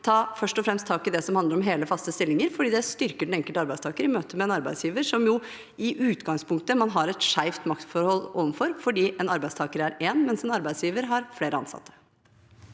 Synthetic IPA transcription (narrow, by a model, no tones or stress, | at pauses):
t̪ʰɑːfœʂʈɔfɾɛmst̪ʰːɑːkɪd̪ɛsɔmhɑnd̪əɾɔmɦeːləfɑst̪əst̪ɪlːɪŋəɾfɔɖiːd̪ɛst̪ʏɾkəɖɛn̩ɛŋkəlɑɾbæɪst̪ʰɑːkəɾɪmøːt̪əmɛɛnɑɾbæɪsjiːʋəɾʂɔmjʊ | ɪʔʉːt̪ɡɑŋspʰʊŋkt̪əmɑnɦɑɾɛt̪ʂæɪft̪mɑkt̪fɔɾhɔlːoːʋənfɔɾfɔɖiːʔɛnɑɾbæɪst̪ʰɑːkəɾæɾeːnmɛnsɛnɑɾbæɪd̪sjiːʋəɾɦɑɾfleːɾəɑ̰nsɑ̰t̪ʰːə̥